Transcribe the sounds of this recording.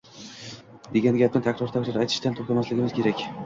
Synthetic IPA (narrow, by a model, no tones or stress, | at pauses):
d̪eɡʲanɡʲad̪ɪnt̪ʰakʰʲɾɔɾt̪ʰaklaɾajt̪ʰɪ̥ʃt̪ʰant̪ʰɵkʰʲamaslɪɡʲɪmɪz̥kʰʲeɾækʲ